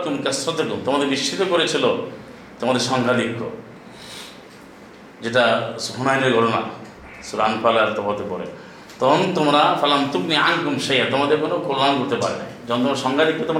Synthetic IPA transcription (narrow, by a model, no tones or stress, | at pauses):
kumkasɾɔt̪akumt̪omad̪eɾbiʃʰit̪ɔkoɾet͡ʃʰilo | t̪omad̪eɾʃɔŋɡʱad̪ikːo̰ | d͡ʒeʈ̬asfunajneɾɡʱɔʈɔna̰ | suɾanpʰalaɾt̪ɔpat̪epɔɾḛ | t̪ɔɦɔnt̪omɾafalamt̪uɡniankumʃejat̪omad̪eɾkonokolːankoɾt̪epaɾḛna̰id͡ʒɔɦnt̪̬omaeɾʃɔŋɡʱad̪ikːɔt̪om